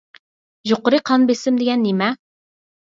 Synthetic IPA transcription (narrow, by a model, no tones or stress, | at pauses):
ʒoqʊɾɨqʰɑnbesɪmd̪eɡʲɛnːemɛ